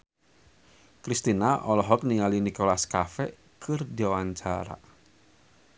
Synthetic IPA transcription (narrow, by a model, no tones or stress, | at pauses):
kɾist̪inaʔɔlɔɦɔk̚niŋalinikolaskafɛ | kʰərd̪iawaɲt͡ʃaɾa̰